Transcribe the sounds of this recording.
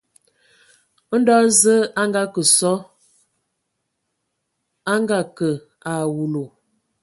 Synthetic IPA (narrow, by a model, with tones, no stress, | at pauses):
n̩˦dɔ˦zə˦a˦ŋɡa˦kə˨sɔ˦ | a˦ŋɡa˨kə˨ | a˨wu˨lo˨